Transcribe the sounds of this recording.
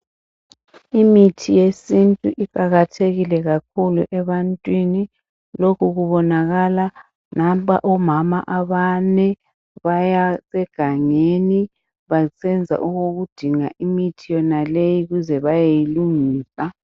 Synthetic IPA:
imitʰijesintʼuʔikʼaɣatʰeɣilɛɣak̚ʰulṵʔɛβantʼwini | lokʰuɣuβɔnaɣala | nampʼa̰ʔɔmama̰ʔaβanɛ | βajasɛɡ̥ʱaŋeni | βasɛnd͡zʱa̰ʔuɣoɣud̥ʱiŋaʔimitʰijɔnalejiɣuzɛβajejiluŋiːsa

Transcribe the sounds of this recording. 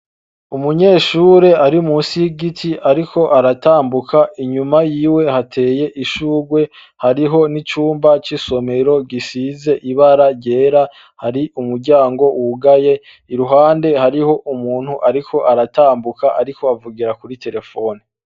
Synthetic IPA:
umuɲe̞ːʃuːɾe̞aɾiumuːsiɡitʰiʔaɾikʰo̞ʔaɾataːmbukʰaiɲumajiːwe̞hatʰe̞ːje̞ʔiʃuːɡwe̞ | haɾiɦo̞nit͡ʃuːmbat͡ʃiso̞me̞ɾo̞ɡisize̞ʔiβaɾaɾɟe̞ːɾa | haɾiumuɾɟaːŋɡo̞wʔuɡaje̞ | iɾuɦaːnde̞haɾiho̞ʔumuːn̥huʔaɾikʰo̞ʔaɾataːmbukaʔaɾikʰo̞avuɡiɾakuɾitʰe̞ɾe̞fo̞ːni

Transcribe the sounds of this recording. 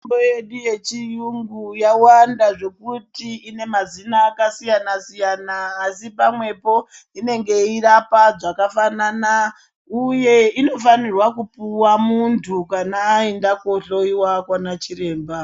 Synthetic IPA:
bojeɗuje̞t͡ʃijuŋɡujawandaʐe̞kutiine̞mazinaːkasijanasijanaːsipamwe̞po̞ | ine̞ŋɡe̞irapaʐakafanana | uje̞ino̞fanirwakupuwamuntʰukanaːindako̞ɬoiwakwanat͡ʃiɾe̞ːmba

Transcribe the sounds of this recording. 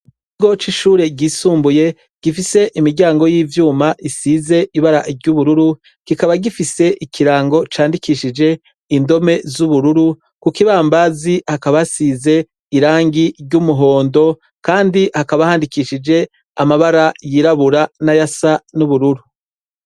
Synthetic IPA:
kiɡo̞t͡ʃiʃuːɾe̞ɟiːsuːmbuje̞ | ɡ̥ifise̞ʔimiɾɟaːŋɡo̞jiːvjuːmaʔisiːze̞ʔiβaɾaʔɾɟuβuɾuɾu | ɡ̥ikaβaɡifise̞ʔikiɾaːŋɡo̞t͡ʃaːndikʰiʃid͡ʒe̞ | indo̞me̞zuβuɾuɾu | kukiβaːmbazihakaβasize̞ | iɾaːŋɡiɾɟumuɦo̞ːndo̞ | kaːndihakaβahaːndikiʃid͡ʒe̞ | amaβaɾajiɾaβuɾanajasanuβuɾuɾu

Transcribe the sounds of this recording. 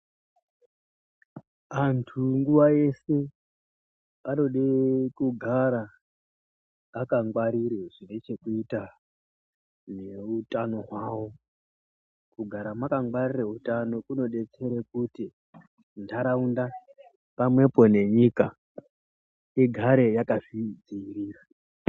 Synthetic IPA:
antʰuŋɡuʋae̞se̞ | ano̞ɗekuɡʱaɾa | kaŋɡwaɾirweʐinet͡ʃe̞kuita | ne̞utano̞ɦwaːwo̞ | kuɡʱaɾamakaŋɡwarireutano̞kuno̞ɗe̞t͡se̞ɾekuti | ndʱaɾaunda | pamwe̞pone̞ɲika | iɡʱaɾe̞jakavid͡ziiriːra

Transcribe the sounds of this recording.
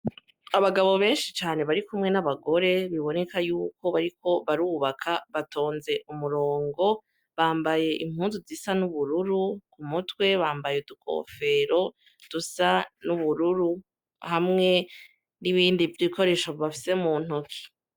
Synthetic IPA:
aβaɡaβo̞βe̞ːnʃit͡ʃaːne̞βaɾikumŋe̞naβaɡo̞ɾe̞βiβo̞ne̞kajuːko̞βaɾiko̞βaɾuːβakʰaβatʰo̞ːnze̞ʔumuɾo̞ːŋɡo̞ | βaːmbaje̞ʔim̥huːnzuzisanuβuɾuɾukumutwe̞βaːmbajedukʰo̰ːfe̞ɾo̞ | d̥usanuβuɾuɾu | hamŋe̞ | niβiːndivjiko̞ɾe̞ːʃoβafi̥se̞muːn̥hokʰi̥

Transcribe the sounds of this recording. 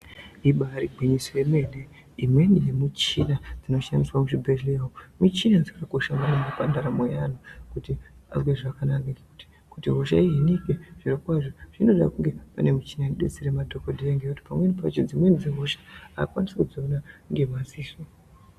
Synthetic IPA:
iɓaɾiɡʱwiɲisojeme̞ne | imwe̞nijemut͡ʃinad͡zino̞ʃandiswamuʐibʱeɮewomut͡ʃinad͡zikakoʃamaneŋɡapandaɾamojanukutia̰zweʐakanakaŋɡakuti̥ | kutiɦo̞ʃa̰iɦenikeʐ̥iɾokwaʐoʐ̥ino̞ɗa̰kuŋɡe̞pa̰ne̞mut͡ʃinaniɗḛt͡seɾemadʱokodʱijeŋɡekuti̥pamwe̞nipat͡ʃod͡zimwe̞nid͡zeɦo̞ʃḁa̰kwanisekud͡zoonaŋɡe̞masiːso

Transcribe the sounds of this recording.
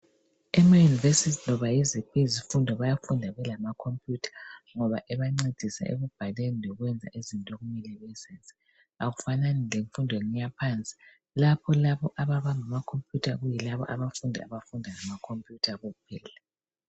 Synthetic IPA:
ɛmajunivesiznɔβajezipʰezifundʱɔβajafundʱaɣɛlamakʰompʰʼjuːtʰḁŋɔβaʔɛβaŋ͡ǀed̥ʱisa̰ḛɣub̥ʱalenilɔɣwɛnd͡zʱa̰ʔezintʼɔɣumilɛβɛsensʼi̥ | aɣufananileɱfundʱɔeŋijapʰant͡sʼi̥ | lapʰɔlaβɔʔaβaβaŋamakʰompʰʼjutʰaɣujilaβɔ̰ʔaβafundʱaa̰βafundʱaŋamakʰompʰʼjutʰaɣuɣupʰɛːla

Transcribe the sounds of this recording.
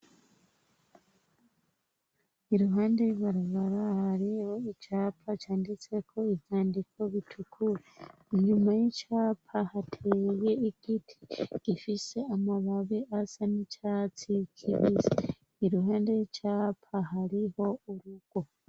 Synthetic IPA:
iɾuɦaːndeiβaɾaβaɾahaɾiho̞icaːpʰacaːndit͡se̞kʰo̞ivjaːndikʰo̞βitʰukʰuɾe | ɲumajecaːpʰahatʰeje̞iɡ̥itʰi̥ɡ̥ifise̞amaβaβiʔasanicat͡sikʰiɾize | iɾuɦaːndeicaːpʰaɦaɾiho̞uɾuɡ̥o̞

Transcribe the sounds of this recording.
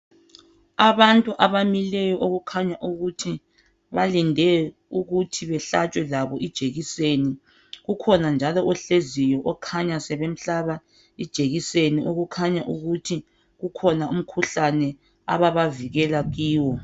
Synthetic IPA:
aβantʼuʔaβamilɛjɔʔoɣukʰaɲaʔuɣutʰi | βalindʱɛ | uɣutʰiβɛɬat͡ʃʼwɛlaβɔid̥ʒ̥ʱeɣiseni | ɣukʰɔnand͡ʒʱalɔʔɔɬezijɔʔɔkʰaɲasɛβem̩ɬaβa | id̥ʒ̥ʱeɣiseniʔoɣukʰaɲaʔuɣutʰi | ɣukʰɔnaum̩kʰuɬanɛ | a̰βaβaviɣɛlaɣiːwɔ

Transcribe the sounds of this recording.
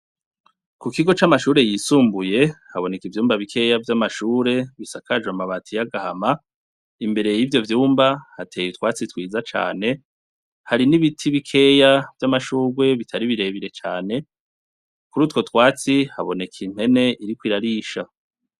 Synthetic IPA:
kukiɡo̞t͡ʃamaʃuːɾe̞jiːsuːmbuje̞haβo̞ne̞kivjuːmbaβikʰe̞javjamaʃuːɾe̞βisakaʒwamaβatʰijaɡahama | imbe̞ɾe̞jivjo̞vjuːmbahatʰeːjitwaːt͡sitwiːd͡zat͡ʃa̰ːne̞ | haɾiniβitʰiβikʰe̞javjamaʃuːɾɡwe̞βitʰaɾiβiɾe̞βiɾe̞t͡ʃaːne̞ | kuɾuːtko̞tkwaːt͡sihaβo̞ne̞kʰin̥he̞ne̞ʔiɾikwiːɾaɾiːʃa

